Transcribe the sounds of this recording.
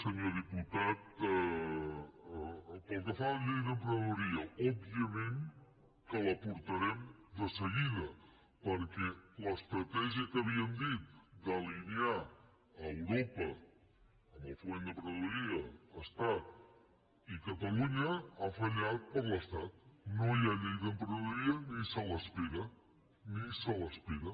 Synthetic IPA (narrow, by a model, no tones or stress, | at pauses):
səɲoðiput̪at̪̚ | pəlˠkəfaʎeðəmpɾəðuɾiəɔbiəmẽn | kələpuɾt̪əɾɛmd̪əsəɣiðə | pəɾkɛləst̪ɾət̪ɛʒiəkəβiənd̪it̪̚d̪əliniaː | wɾopə | əməlˠfuend̪əpɾəðuiəəst̪at̪̚ | ikət̪əluɲəafəʎat̪̚pəɾləst̪at̪̚nojaʎejðəmpɾuðuiənisələspiɣə | nisələspiɣə